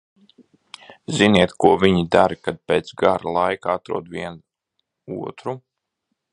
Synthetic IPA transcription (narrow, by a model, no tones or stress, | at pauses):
ziniɛt̪kuɔviɲid̪aɾikad̪̚peːt̪sɡaɾalˠajkaat̪ɾṵɔd̪viɛn | uɔt̪ɾu